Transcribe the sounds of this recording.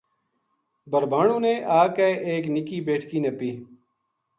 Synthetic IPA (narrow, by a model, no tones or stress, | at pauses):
bəɾbaːɳõːneːʔaːkeːʔeːknɪkiːbeːʈʰkiːnəpiː